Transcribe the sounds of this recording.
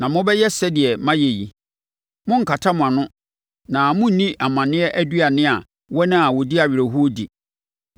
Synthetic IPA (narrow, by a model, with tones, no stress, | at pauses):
nã˨mʊ̃˦bɛ˦jɛ˦sɛ˦dɪ˨ɛ˨mã˦je˨ji˨ | mʊ̃˦ŋ̩˨kʰa˨tʰa˦mʊ̃˨a˨nʊ̃˦ | nã˨mʊ̃˦n̩˦nĩ˦ʔa˨mã˨nɪ̃˦ɛ˦ʔæ˦dɥa˨nɪ̃˦a˨ | wɔ˦nɪ̃˦a˨wɔ˨di˦a˨ɥɪ˨ɾe˨ɦu˦o˦dḭ˨